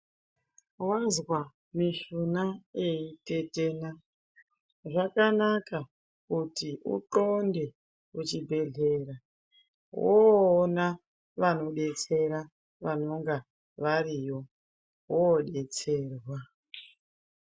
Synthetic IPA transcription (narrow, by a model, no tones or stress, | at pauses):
wazwa | miʃunaeitetena | ʐakanaka | kutiṵtonde̞ | ut͡ʃibʱe̞ɮe̞ːra | ɦoːna | ʋano̞ɗe̞t͡se̞ɾa | ʋano̞ŋɡa | ʋariːjo̞ | ɦoɗe̞t͡seːrwa